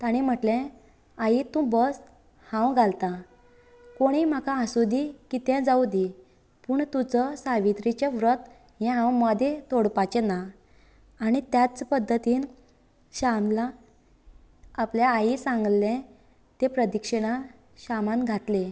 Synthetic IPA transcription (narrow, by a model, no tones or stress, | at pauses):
t̪aɽ̃im̤əʈlɛ̃ | ajit̪ũbəs | hãwɡʱalt̪a | koɽ̃im̤akaːsud̪ikit̪ɛ̃d͡zawd̪i | puɳt̪ut͡səsaʋit̪ɾit͡ɕeʋɾət̪ | jɛ̃ɦãwmɔd̪ʱet̪oɽpat͡ɕenaː | ɽ̃it̪jat͡spəd̪ʱːət̪iːn | ɕamla | pljaːjisãŋɡlːɛ̃ | t̪epɾəd̪ikʂəɽ̃a | ɕamanɡʱat̪le